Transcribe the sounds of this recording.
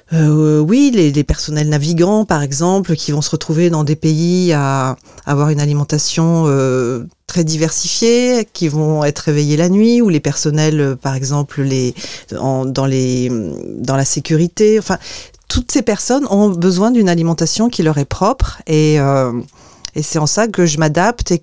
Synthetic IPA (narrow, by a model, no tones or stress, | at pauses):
øwilelepɛʁsɔnɛlnaviɡɑ̃paʁɛɡzɑ̃plkʲʰivɔ̃səʁət̪χuved̪ɑ̃d̪epeiaː | vwaʁynalimɑ̃t̪asjɔ̃øt̪χɛd̪ivɛʁsifjekʲivɔ̃ɛt̪χevejelanɥiulepɛʁsɔnɛløpaʁɛɡzɑ̃plleɑ̰̃d̪ɑ̃le | d̪ɑ̃lasekʲyʁit̪eɑ̃fɛ̃t̪ʰut̪sepɛʁsɔnɔ̃bəzwɛ̃d̪ynalimɑ̃t̪asjɔ̃kʲilœʁɛpχɔpχeø | esɛɑ̃sakəʒəmad̪apt̪e